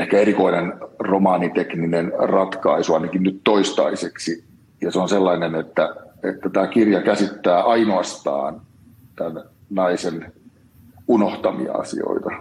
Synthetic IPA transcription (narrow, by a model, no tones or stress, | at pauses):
ehkæeɾikoinenromɑːnit̪ekninenrɑt̪kɑisuɑinɑkinnyt̪toist̪ɑ̰iseksi | jɑseonselːɑinenet̪ːæet̪ːæt̪æːkirjɑkæsit̪ːæːʔɑinoɑst̪ɑ̰ːn | t̪æn | nɑisen | unoht̪ɑmḭɑ̰ɑ̰sḭo̰it̪ɑ